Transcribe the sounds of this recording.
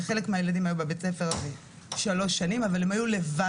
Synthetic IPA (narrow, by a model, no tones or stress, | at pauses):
χe̞le̞kmeajelad̪imajubebet͡sefe̞ʁve | ʃalo̞ʃːanimavale̞majule̞va